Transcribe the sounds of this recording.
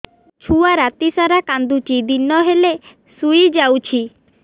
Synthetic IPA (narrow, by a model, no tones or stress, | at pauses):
t͡ʃʰuaɾat̪isaɾakand̪ut͡ʃid̪inɔɦele | suid͡ʒawt͡ʃʰi